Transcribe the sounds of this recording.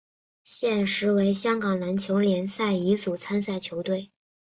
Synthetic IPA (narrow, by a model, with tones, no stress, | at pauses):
ɕjɛ˥˩nʂɻ̩˧˥we˧˥ɪɕjɑ˥ŋkɑ˨˩ŋna˧˥nt͡ɕʰjo˧˥ʊljɛ˧˥nsa˥˩ɪi˧˥t͡su˨˩t͡sʰa˥ns̬a˥˩ɪt͡ɕʰjo˧˥ʊt̪we˥˩ɪ